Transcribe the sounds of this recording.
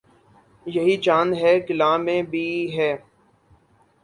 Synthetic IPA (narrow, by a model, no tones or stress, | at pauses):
jɐɦid͡ʒaːnɦɛːɡɪlaːmẽbʱiːɦɛː